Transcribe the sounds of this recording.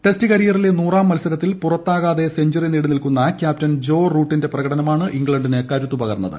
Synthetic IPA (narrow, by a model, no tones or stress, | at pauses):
ʈe̞stɨkɐɾijɐrile̞nuːraːmːɐlsɐɾɐt̪ːilpurɐt̪ːaːɣaːðe̞seɲd͡ʑurenːiːɽunilkunːɐkʲjaːp̚tɐnd͡ʑo̞ːruːʈːinde̞prɐɣɐɽɐnɐmaːɳɨʔiŋɡɭɐɳɖinekɐɾut̪ːupɐɣɐɾnːɐðɨ̰